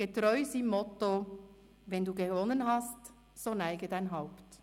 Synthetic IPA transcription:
ɡ̥etɾɔʏsimːɔto | ʋɛnduːɡevɔnənɦɑst | sonæɪɡədaɪnɦaʊpt

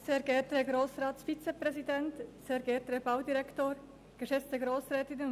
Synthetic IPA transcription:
sɛːɡɛːtəɡɾoːsʁaːtfit͡sepʁɛzidɛntsɛːɾɡɛːtəəb̥aʊdiɾɛktoːɾ | ɡ̥əʃɛt͡stəɡɾoːsrɛːtɪn

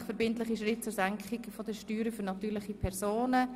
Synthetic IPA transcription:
χfɛɾbɪntlɪχiʃ̬ɾɪt̚t͡sʊːɾsaŋkχɪɡfodəʃtyːɾəfʏɾnɑtyːɾlɪχipʰɛʁsoːnə

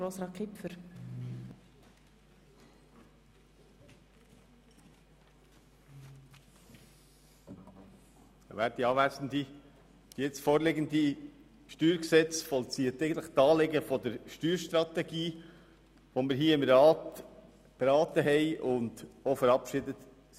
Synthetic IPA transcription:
ɾosɾɑːkʰɪpfəɾ | væːɾd̥iɑːʋæsn̩d̪i | d̪̥ijɛt͡stfoːɾleɡənd̪i | ʃtyːɾksɛt͡sfɔlt͡siːətɛɪɡənt̪ləχt̪ɑːleɡəfɔd̪əɾʃtyːɾʃt̪ɾɑt̪ɛɡiː | ʋomɪɾɦiːɪmɾɑːt | b̥eɾɑːt̪əɦɛɪʔʊnd̪ofəɾɑpʃɪdət̪

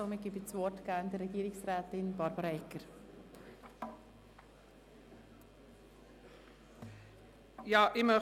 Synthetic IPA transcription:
omɪɡ̥ibit͡sʋɔtɡ̥æːndərɛɡ̥iːɾɪksrɛːt̪ɪnbɑɾbəɾɛkəɾ | jɑːʔɪmə

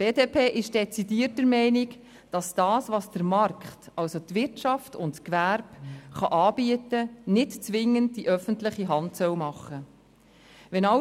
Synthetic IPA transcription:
b̥eːdeːpʰeːʔɪʃd̥ɛt͡sidiːətːəɾmɛɪnɪk | d̥ɑsd̥ɑːsʋɑsd̥əɾmɑɾkχtʔɑwsot̪ʋɪɾtt͡ʃɑftʊntkʋæɾbχɑʔɑːbiətənɪtt͡sʋɪŋːənd̚d̥iʔœfəntlɪχiɦɑntsœwmɑχːə | ʋɛnɑ

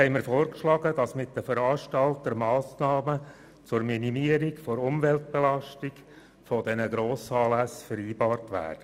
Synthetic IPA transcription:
hɛɪməɾfoːrkʃlɑɡəd̥ɑsmɪt̚dəfəɾɑːrʃtɑltəɾmɑːsnɑːmə | t͡sʊɾminimiəɾikfoɾʊmvɛlt̚b̥ɛlɑʃtik | fɔdɛnəɡɾoːsɑːlæsfəɾiːbɑːrtʋæ̰ːd̥ə

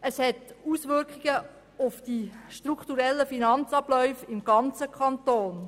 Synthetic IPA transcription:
əshɛtusʋʏrkiɡ̥ə | ʊfd̥iʃtrukχtuɾɛlːəfinɑnt͡sɑblœʏfɪmɡ̥ɑnt͡səkʰχɑntoːn

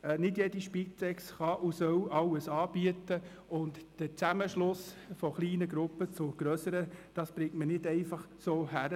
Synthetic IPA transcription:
nɪdjediʃpit͡sɛksχɑʔʊsœwɑwəsɑːb̥iətə | ʊntd̥ət͡sæməʃlʊs | fɔχliːnəɡɾʊpːət͡sʊɡ̥ɾœsəɾəd̥ɑsb̥ɾɪŋtmənɪdɛɪfɑχ | soːɦæɾə

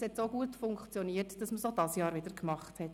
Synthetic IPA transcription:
shɛtsoɡuːətfʊŋkχt͡sjɔniːətd̥ɑsməsod̥ɑsjɑːɾvɪdəɾkmɑχthɛt

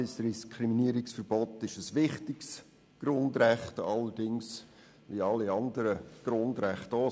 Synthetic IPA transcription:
ɪsɾiskʰɾiminiəɾɪksfəɾb̥ɔt̪ɪʃəsʋɪχtɪks | ɡ̥ɾʊndɾæχtɑlːəɾdɪŋs | ʋiɑliɑndəɾəɡ̥ɾʊndɾæχto

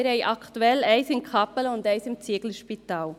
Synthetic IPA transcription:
ɾɛɪʔɑkʰt̪uɛlæɪsɪnkʰɑpələʊnd̪æɪsɪmt͡siəɡl̩ʃpit̪aːl

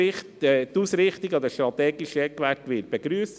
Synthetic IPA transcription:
ɪχtːt̪uːsɾɪχt̪iɡɑd̪əʃt̪ɾɑt̪ɛːɡiʃəɛkʋætʋɪːt̚b̥eɡɾyːs

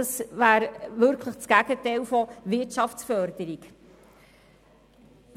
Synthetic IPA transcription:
ɑsʋæːɾʋʏɾkʰləχt͡sɡ̥æɡ̥ətɛɪlfɔʋɪtʃɑft͡sfœɾd̪̥əɾik

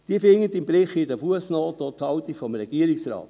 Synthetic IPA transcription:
d̥iəfɪŋːət̪ɪmbɾɪχɪdɛfuəsnoːt̪ɔt̪ʰhɑwt̪ifɔmɾɛɡ̥iəɾɪksrɑ̰ːt̪

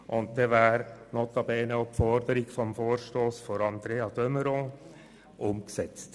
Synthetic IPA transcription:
ʔʊnt̚d̪ɛʋæːɾnot̪ɑbɛːnəopfɔɾd̪əɾɪkfɔmfoːɾʃtoːsfɔɾɑnd̪̥ɾeːɑd̥̪œməɾõ | ʔʊmksɛt͡st

